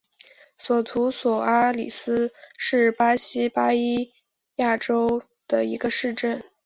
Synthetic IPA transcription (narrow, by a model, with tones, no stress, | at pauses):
swɔ˨˩t̪ʰu˧˥swɔ˨˩a˥lḭ˨˩sɹ̩˥ʂɻ̩˥˩pa˥ɕi˥pa˥i˥ | ja˥˩ʈ͡ʂo˥ʊ | d̪̥ə˨i˧˥ɡə˧ʂɻ̩˥˧ʈ͡ʂə˥˩n